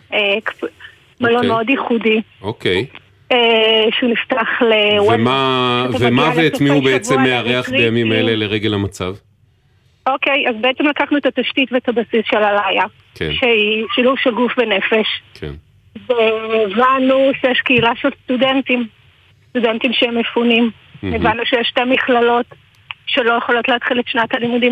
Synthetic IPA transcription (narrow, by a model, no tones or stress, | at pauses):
ek | malonmeodjeχudi | okej | eʃuniftaχlewemataveamaeetmiubeevt͡sueamːeaʁeaχejamimaeleleʁeɡelamat͡sav | ʔo̞kejazbeet͡semlakaχnuet̪at̪aʃtitvetabasisʃelalaja | kʰḛnʃeiʃiluvʃelɡufvene̞fe̞ʃkʰḛn | veevanuʃejeʃkeilaʃelst̪udentim | st̪udentimʃeemefunim | evanːuʃejeʃtemiχlalo̞t | ʃe̞lo̞jeχo̞lo̞tleat̪χiletʃnat̪alimudim